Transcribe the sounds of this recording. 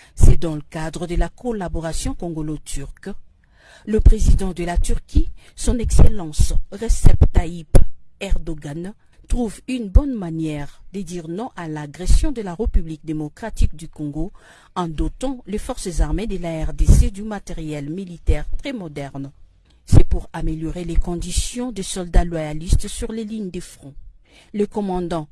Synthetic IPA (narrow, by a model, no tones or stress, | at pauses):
sɛd̪ɑ̃ləkad̪ʁəd̪əlakɔlabɔʁasjɔ̃kɔ̃ɡɔlot̪ʰyʁk | ləpχezid̪ɑ̃d̪əlat̪yʁkʲʰi | sɔ̃nɛkselɑ̃sʁesɛpt̪aipɛʁd̪ɔɡan | t̪χuvynbɔnmanjɛʁd̪əd̪iʁnɔ̃ʔalaɡʁɛsjɔ̃d̪əlaʁepyblik̚d̪emɔkχat̪ik̚d̪ykɔ̃ɡo | ɑ̃d̪ɔt̪ɑ̃lefɔʁsəzaʁmed̪əlaɛʁd̪esed̪ymat̪eʁjɛlmilit̪ɛʁt̪χɛmɔd̪ɛʁn | sɛpuʁameljɔʁelekɔ̃d̪isjɔ̃d̪əsɔld̪alwajalist̪syʁleliɲd̪əfχɔ̃ | ləkɔmɑ̃d̪ɑ̃